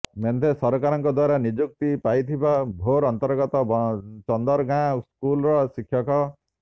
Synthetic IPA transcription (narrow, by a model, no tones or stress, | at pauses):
mend̪ʱesɔɾkaɾɔŋkɔd̪waɾanid͡ʒuk̚t̪ipajt̪ʰibabʱoɾɔnt̪ɔɾɡɔt̪ɔbt͡ʃɔnd̪ɔɾɡãskulɾɔsikʰjɔkɔ